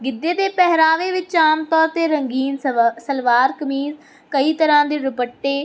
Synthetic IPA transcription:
ɡɪd̪ːeːd̪eːpɛɦɾaːʋeːʋɪt͡ʃaːmt̪ɔːɾt̪eːɾəŋɡiːnsəlʋaːɾkəmiːz | kəiːt̪əɾãːd̪eːɾʊpəʈːeː

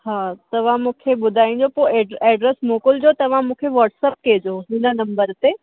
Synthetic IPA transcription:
haːt̪ɐʋ̤ãmũːkʰeɓʊd̪ʱaːĩɲ̆d͡ʑopoɛɖɛːɖɾesmoːkʊld͡ʑoːt̪ɐʋ̤ãmũːkʰeʋɐːʈsɛːp̚keed͡ʑoːɦɪnə̆nɐ̃mbəɾt̪e

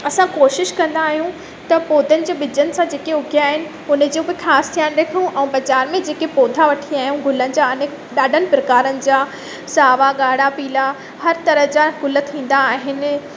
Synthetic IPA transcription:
ɐsãkoːʃɪʃkɐ̃nd̪aːɦijũ | t̪ɐpoːd̪ʱənɪ̆d͡ʑeːɓɪd͡ʑənɪ̆sãd͡ʑeːkeʊɡʱjaːɦɪnɪ̆ | ʊnə̆d͡ʑoːbɪxaːst̪ʰijaːnɗeːkʰũʔɛ̃ũbɐd͡ʑaːɾmẽd͡ʑeːkepoːd̪ʱaʋɐʈʰiaːɦijũɡʱʊlənɪ̆d͡ʑaːɐnɪ | ɗaːɖʱənɪ̆pɾɐkaːɾənɪ̆d͡ʑaː | saːʋaɠaːɽapiːla | hɐɾt̪ɐɾəɦd͡ʑaɡʱʊlət̪ʰĩːn̆d̪aːɦɪnɪ̆

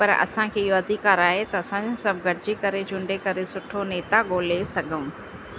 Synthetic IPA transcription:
pɐɾɐ̰sãkʰeːɪɦoɐd̪ʱikaːɾaːɦet̪ɐɐsãsɐb̚ʱɡɐɾɪd͡ʑikɐɾed͡ʑʱʊ̃ɳɖekɐɾesʊʈʰoneːt̪aɠoːlesɐɡʱə̃m

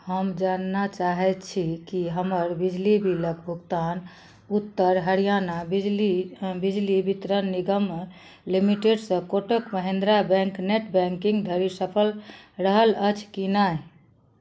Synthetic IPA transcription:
həmd͡ʒanːat͡ʃaɦɛt̪t͡ʃʰikiɦəməɾbid͡ʒlibiləkbʱukt̪an | ut̪ːəɾɦəɾijanabid͡ʒlibid͡ʒlibit̪ɾənːiɡəm | limiʈeɖsə̃koʈəkməɦẽnd̪ɾabɛ̃ŋkneʈbɛ̃ŋkĩŋɡd̪ʱəɾisəpʰəlɾəɦələt͡ʃʰkinaj

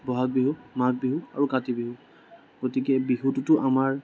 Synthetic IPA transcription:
bɔɦak̚biɦumak̚biɦua̰ɹukatibiɦu | ɡ̥otikɛbiɦututʊʔamaɹ

